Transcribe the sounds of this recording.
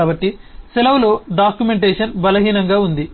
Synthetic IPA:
aːbɐʈːisilɐwlo̞ːɖaːkjume̞ɳʈeːʂɐnbɐlɐɦiːnɐŋɡaːund̪i

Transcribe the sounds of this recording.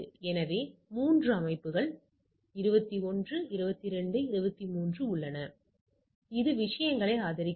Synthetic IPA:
ɛnɐʋeːmuːndrɯɐmɐɪpːɯɣɐɭ | ɪɾɯbɐt̪ːiɔndrɯɪɾɯbɐt̪ːɪɾɛɳɖɯɪɾɯbɐt̪ːimuːndrɯʊɭːɐnɐ | ɪðɯʋɪʂɐjɐŋɡɐɭɐɪaːðɐɾɪkː

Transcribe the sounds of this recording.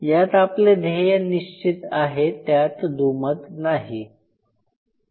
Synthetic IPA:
jat̪apled̪ʱejəniɕt͡ɕit̪aɦet̪jat̪d̪umət̪naɦi

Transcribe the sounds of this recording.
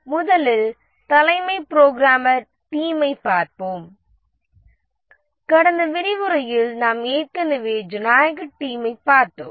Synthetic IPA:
mʊðɐlɪl | t̪ɐlɐɪmɐɪpɾoːɡɾaːmɐɾ | ʈiːmɐɪpːaːɾpoːm | kɐɽɐnd̪ɐʋɪɾɪʋɯɾɐjɪlnaːmeːɾkɐnɯʋeːd͡ʒɯnaːjɐɣɐʈːiːmɐɪpaːɾt̪o̰ːm

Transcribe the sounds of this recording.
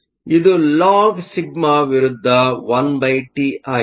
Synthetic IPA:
id̪ulaːɡsiɡ̚maʋiɾud̪ʱːɐʋɐnbɐjʈiaː

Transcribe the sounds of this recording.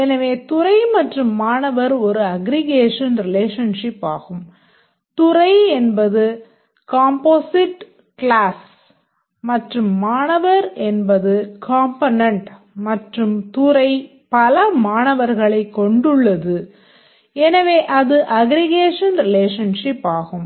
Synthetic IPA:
ɛnɐʋeːt̪ʊɾɐɪmɐʈrɯmːaːnɐʋɐɾɔɾɯɐɡɾɪɣeːʂɐnɾɪleːʂɐnʂɪpːa̰ːɣɯm | t̪ʊɾɐɪɛnbɐðɯ | kaːmpoːsɪʈ | kɭaːs | mɐʈrɯmːaːnɐʋɐɾɛnbɐðɯkaːmpɐnɐɳʈ | mɐʈrɯmt̪ʊɾɐɪ | pɐlɐmaːnɐʋɐɾɣɐɭɐɪkːɔɳɖɯɭːɐðɯ | ɛnɐʋeːʔɐðɯʔɐɡɾɪɣeːʂɐnɾɪleːʂɐnʂɪpːaːɣɯm

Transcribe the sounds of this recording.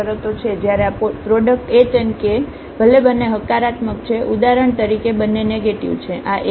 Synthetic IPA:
əɾət̪ot͡ʃʰed͡ʒjaɾeappɾoɖək̚ʈet͡ʃənke | bʱəlebənːeɦəkːaɾat̪mək̚t͡ʃʰeʔud̪aɾəɳt̪əɾikebənːeneɡeʈiʋt͡ʃʰeʔaʔ

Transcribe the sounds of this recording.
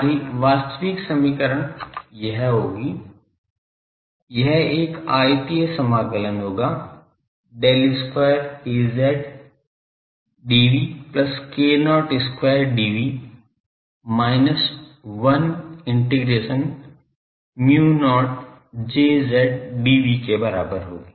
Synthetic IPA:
ɾiʋaːst̪əʋiːksɐmiːkəɾəñjɐɦɦoːɡiː | jɐɦeːkaːjt̪iesɐmaːɡələnɦoːɡaː | ɖeːlɪskweːəɾeːzɛːɖ | ɖiːʋiːplɐskeːnɔːʈɪskwaːəɾɖiːʋiː | maːɪnəsʋɐnɪ̃ɳʈiɡɾeːʃən | mjuːnɔːʈ̚ | d͡ʒeːzɛːɖ̚ɖiːʋikebɐɾa̰ːbəɾɦoːɡiː

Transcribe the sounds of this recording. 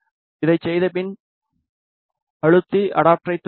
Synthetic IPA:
ɪðɐɪt͡ʃːsɛjðɐpɪn | ɐɻɯt̪ːiʔɐɽaːp̚ʈɾɐɪt̪ː

